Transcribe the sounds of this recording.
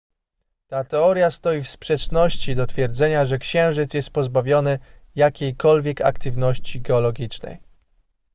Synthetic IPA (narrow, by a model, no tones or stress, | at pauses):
t̪at̪ɛɔɾʲjast̪ɔjifspʂɛt͡ʂnɔɕt͡ɕid̪ɔt̪fʲjɛɾd̪zɛɲaʐɛkɕɛ̃w̃ʐɘt̪sjɛst̪̚pɔzbavʲjɔnɘjakʲejkɔlvʲjɛka̰kt̪ɘvnɔɕt͡ɕiɡɛɔlɔɡʲit͡ʂnɛ̰j